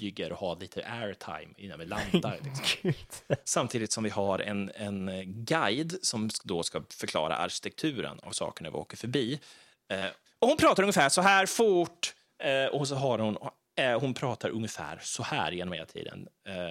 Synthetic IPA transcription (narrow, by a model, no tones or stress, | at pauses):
yɡəɾʔɔhaliːt̪ʰəʔæɾt̪ʰa̰jmɪnːəmɛland̪aɾlɪ | samt̪ʰiːd̪ɪt̪sɔmvɪhaɾʔɛ̰nɛnɡajd̪sɔmd̪oskafœɾklɑ̰ːɾa̰ʔa̰ɾɕɪ̥t̪ɛk̚t̪ʰʉ̟ːɾə̰na̰vsɑ̰ːkəɳæɾvɪ̰o̰ːkəɾfœɾbiː | ɔhʊnpʰɾɑːt̪aɾɵŋːəfæːʂɔɦæːɾfʊʈː | ɔs̬ɔɦaɾhʊn | hʊnpʰɾɑːt̪aɾʔɵŋːəfæ̰ːɾsɔhæ̰ːɾjeːnɔmheːlat̪ʰḭːd̪ə̰n